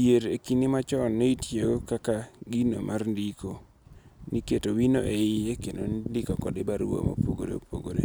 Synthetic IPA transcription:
jeɾekinimat͡ʃɔnːeitjeɡokakaɡino̰mʔarndikʰo | niketowino̰ʔeɪekenondikɔkɔdɪbaɾuo̰mo̰poɡo̰ɾḛopo̰ɡo̰ɾḛ

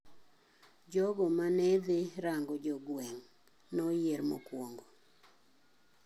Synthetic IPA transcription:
d͡ʒɔɡɔmanɛd̪ɪɾaŋɡɔd͡ʒɔɡwɛŋ | nɔjeɾmo̰kwoŋɡo

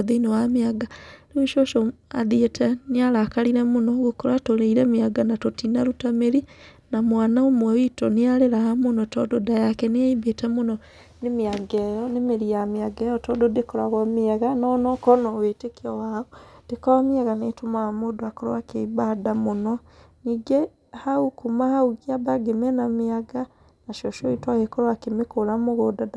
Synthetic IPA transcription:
ðeinowameaɡaneweʃoʃɔaðietʰɛneaɾakaɾiɾɛmonɔɣokoɾatoɾeiɾɛmeaɡanatotinaɾutameɾinamwanaomwawitɔneaɾeɾaamonɔtɔdodajakɛneaibetɛmonɔ | nemiaɡɛjɔnemeɾijamiaɡɛjɔtɔdodekoɾaɣɔmiaɣanɔnɔkɔnɔwetekiɔwaɔd̥ekɔwamiaɣanetomamodoakɔɾo̰wakeibadamonɔ | niɡɛ | haukumahauɣiabaɡemɛnamiaɡa | naʃɔʃɔitwahekɔɾwakemekoɾamoɣodada

